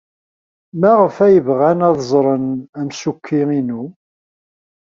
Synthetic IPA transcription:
mæʁəfæjəvʁænɑðˤzˤɾˤənæmsukʰːiinu

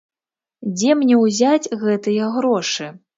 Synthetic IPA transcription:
d͡zʲɛmnʲɛwzʲad͡zʲɣɛt̪ɨjɐɣɾɔʂɨ

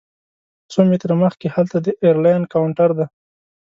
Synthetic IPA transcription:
somet̪ɾaməxkehalt̪ad̪əʔeɾlajnɖkawɳʈaɾd̪a

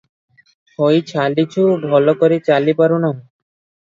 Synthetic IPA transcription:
ʃʰojt͡ɕʰalit͡ɕʰubʱɔlokoɾit͡ɕalipaɾunɔ̃

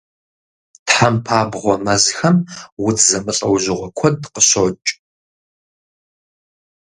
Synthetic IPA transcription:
tħampʰaːbʁʷɔmɐzxɐmwʊtʰzɐmɨɬʼɐwʒɪʁʷɔkʷʰɔdqəɕot͡ʃʼ

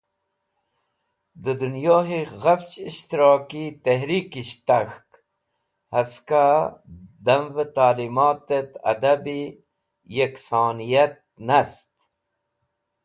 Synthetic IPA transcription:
d̪əd̪unjoːɦiɣaft͡ʃiʃt̪iɾɑːkit̪eɦɾiːkiɕt̪axk | hɐska | d̪ɐmvət̪aːlimɑːt̪et̪ɐ̰d̪abi | jeksɑːnijat̪̚nast̪

